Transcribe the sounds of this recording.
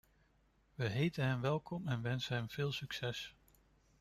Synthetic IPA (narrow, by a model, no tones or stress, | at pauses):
ʋəɦejtənɦɛmʋɛlˠkɔmɛnʋɛnsəɦɛmv̥ɪːlˠsyksɛs